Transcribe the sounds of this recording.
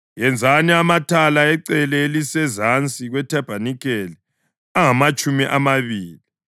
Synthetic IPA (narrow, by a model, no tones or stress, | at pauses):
jɛnd͡zʱaniamatʰalaɛǀɛlɛelisɛzant͡sʼiɣwɛtʰɛb̥ʱanik̬ʰʼeli | aŋamat͡ʃʼumiʔamaβiːli